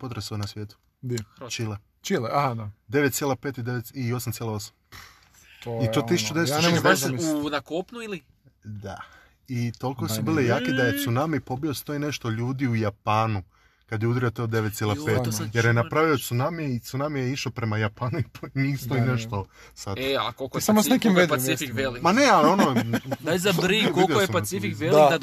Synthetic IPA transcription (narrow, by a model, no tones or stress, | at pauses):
pot̪ɾasonasʋjeːt̪u̥ | d̪t͡ʃile | t͡ʃileaad̪ad̪e̞ʋet̪t̪jelˠapeːt̪id̪eʋet̪io̞samt̪ʲjelaosam | oioːt̪isu̥t͡ʃud̪eesnemojd̪esenakopnuili | d̪a̰ | it̪o̞lkossubiːlˠejaːked̪ajet̪sunamipo̞bio̞st̪o̞ine̞ʃt̪o̞ʎuːd̪iujapaːnu | kad̪jeud̪ɾio̞t̪eod̪e̞ʋet̪silapeːt̪jeɾjenapɾaʋiot̪sunamieit̪sunamijeiʃopɾe̞majapaːnuiponist̪o̞ineʃt̪o | sad̪eakolˠkosamosnekimepaifikʋelimanealio̞nod̪ajzabɾikoljoojespasifikʋellia